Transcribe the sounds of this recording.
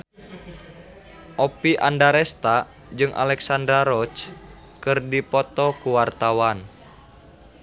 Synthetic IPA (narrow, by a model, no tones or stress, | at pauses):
ʔɔpiʔandaɾɛst̪a | d͡ʒɨŋʔa̰lɛksandɾaɾɔt͡ʃ | kɨrdipɔt̪ɔkuwart̪awan